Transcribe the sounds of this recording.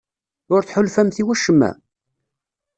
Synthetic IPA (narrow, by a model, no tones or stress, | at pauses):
ʊɾθħʊlfæmθiwæʃːəmːæ̰